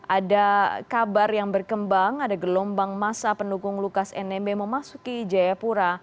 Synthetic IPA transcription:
ʔadakabarjaŋbərkəmbaŋadaɡəlɔmbaŋmasapəndukʊŋlukasɛ̰nɛmbeməmasukid͡ʒajapuɾa

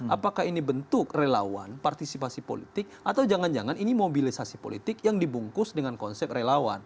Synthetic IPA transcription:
ʔapakaɦinibənt̪ʊkrela̰wa̰npart̪isipasipo̰lḭt̪ɪk̚ʔat̪awd͡ʒaŋand͡ʒaŋaninimobilisasipo̰lit̪ɪk̚jaŋdibuŋkʊsdəŋankɔnsɛp̚relawa̰n

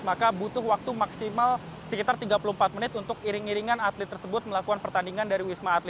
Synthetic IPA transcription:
makabut̪ʊhwak̚t̪umaksimalsəkit̪art̪iɡapuluhmpat̪̚mənɪt̪unt̪ʊkiɾɪŋiɾiŋanat̪lɪt̪ːərsəbʊt̪̚məlakukanpərt̪andiŋandaɾiwismaːt̪lɪ

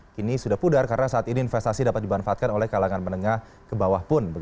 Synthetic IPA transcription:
kinisudahpudarkaɾənasaat̪iniːnfɛst̪asidapat̪̚dimanfaat̪̚kanolɛhkalaŋanmənəŋah | kəbawahpʊnbəɡ

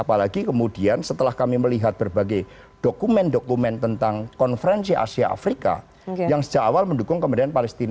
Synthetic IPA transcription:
apalaɡikəmudiansət̪əlahkamiməliɦat̪̚b̥ərbaɡaj | d̥okumɛndokumɛnt̪ənt̪aŋkɔnfəɾɛnsiʔa̰siaʔa̰fɾika̰ | jaŋsə̥dd͡ʒakawalməndukʊŋkəmədanpalɛst̪in

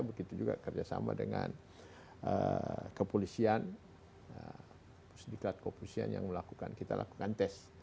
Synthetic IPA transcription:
abəɡit̪ud͡ʒuɡakərd͡ʒasamadəŋan | əkəpolisian | ə | pʊ̥sdiklat̪̚kopolisia̰njaŋməlakukankit̪alʔaku̥kant̪ɛs

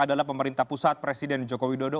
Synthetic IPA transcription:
adalahpəməɾint̪ahpusat̪̚pɾesidɛnd͡ʒokowidodo

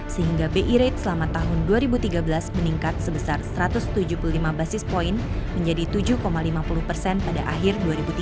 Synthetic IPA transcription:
səɦiŋɡabeʔiɾet̪̚səlamat̪aɦʊnduaɾibut̪iɡabəlasməniŋkat̪̚səbəsarsəɾat̪ʊst̪ud͡ʒupululimabasɪspoin | məɲd͡ʒadit̪ud͡ʒukomalimapulʊpərsɛnpadaʔaɦɪrduaɾibut̪i

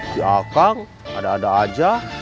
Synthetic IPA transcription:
kiakaŋ | adaːdaːd͡ʒa

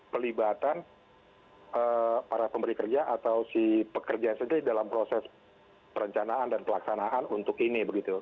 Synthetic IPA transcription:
pəlibat̪an | əpaɾapəmbəɾikərd͡ʒaʔat̪awsipəkərd͡ʒaansənt̪iɾidalampɾosɛs | pəɾəɲt͡ʃanaandanpəlaksanaʔanunt̪ʊkinibəɡit̪u

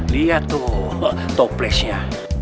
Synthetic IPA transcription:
liat̪o | t̪ɔplɛsa

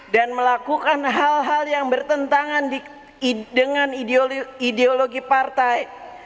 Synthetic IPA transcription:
danməlakukanɦalɦaljaŋbərt̪ənt̪aŋand | dəŋanidoideoloɡipart̪aj

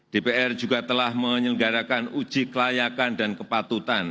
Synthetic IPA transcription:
d̥epeʔɛr̥d͡ʒ̥uɡat̪əlahməɲəɡaɾakanud̥d͡ʒ̥ikəlajakandankəpat̪ut̪an

